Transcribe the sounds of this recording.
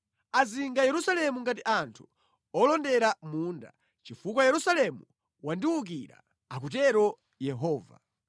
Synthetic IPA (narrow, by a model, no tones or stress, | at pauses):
aziŋɡajɛɾusalɛmuŋɡatiʔantʰu̥ | ɔlɔndɛɾamuːnda̰ | t͡ʃifukwajɛɾusalɛmu | wandiwuk̬iɾa̰ | ak̬ut̬ɛɾɔ | jɛɦɔːva̰